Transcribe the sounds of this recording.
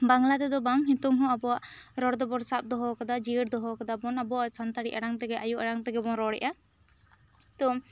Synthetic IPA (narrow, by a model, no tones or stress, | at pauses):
baŋlad̪ɛd̪ɔbaŋɦit̪uŋɦɔ̃abɔwaʔɾɔɽd̪ɔbɔɾsap̚d̪ɔɦɔkad̪ad͡ʒiɽd̪ɔɦɔkad̪abɔnabɔwaʔsant̪aɽiʔaɽaŋt̪ɛɡɛʔajuʔaɽaŋt̪ɛɡɛbɔŋɾɔɽɛ̰ʔa | t̪ɔ